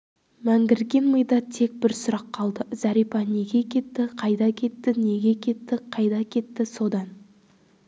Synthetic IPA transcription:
mæŋɡʲɪɾɡʲe̞nməjd̪ɑt̪ʰːe̞k̚bɪɾsʊɾɑqʰːɑlˠd̪əz̥ɑɾijpɑne̞ɡʲe̞kʲʰe̞t̪ːɪqʰɑjd̪ɑkʲʰe̞t̪ːɪne̞ɡʲe̞kʲʰe̞t̪ːɪqʰɑjd̪ɑkʲʰe̞t̪ːɪso̞d̪ɑn

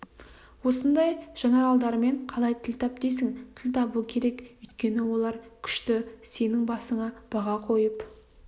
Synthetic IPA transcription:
wo̞sənd̪ɑjʒ̥ɑnɑɾɑlˠd̪ɑɾəme̞ɴqʰɑlˠɑjt̪ʰɪlt̪ʰɑp̚d̪ejs̬ɪŋt̪ʰɪlʲt̪ʰɑbuəkʲʰe̞ɾe̞kʏjt̪kʲe̞nɪwo̞lˠɑɾkʲʰʏ̥ʃt̪ɪse̞nɪŋbɑsəɴɑb̥ɑʁɑqʰo̞jəp

